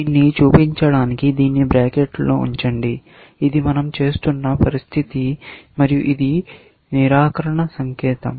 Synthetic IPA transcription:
iːnːit͡ʃuːpiɲt͡ʃɐɽaːnikid̪iːnːibɾaːkeːʈlo̞̰ːṵɲt͡ʃɐɳɖi | id̪imɐnɐmt͡ʃe̞ːst̪unːɐpɐɾist̪ʰit̪imɐɾijuʔid̪i | niɾaːkɐɾɐɳɐsɐŋkɛːt̪ɐ̰m

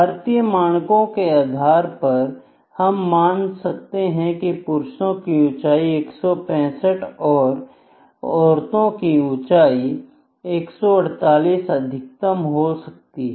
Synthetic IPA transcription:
bʱaɾt̪ijəmaːɽ̃kõkeaːd̪ʱaːɾpɐɾ | hɐmːaːnsɐk̚t̪eɦɛ̃kipʊɾʃnõkiʊ̃t͡ʃaːieːksɔpɛ̃ːsəʈɔːɾ | ɔːɾt̪õkiʊ̃t͡ʃaːi | eːksɔɐɽ̤t̪aːliːsɐd̪ʱɪk̚t̪əmɦosɐk̚t̪iɦɛ

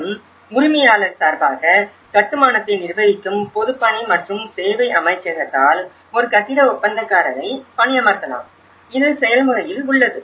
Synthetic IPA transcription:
ɯm | mʊɾɪmɐjaːlɐɾsaːɾbaːɣɐ | kɐʈːɯmaːnɐt̪ːɐɪnɪrʋɐjɪkːɯmpɔðɯpːɐɳimɐʈrɯmseːʋɐɪʔɐmɐɪt͡ʃːɐɣɐt̪ːaːl | ɔɾɯkɐʈ̪ːɪɽɐʊpːɐnd̪ɐkːaːɾɐðɐɪpɐɳɪjɐmɐɾt̪ːɐla̰ːm | ɪðɯsɛjɐlmɯɣɐjɪlʊɭːɐðɯ

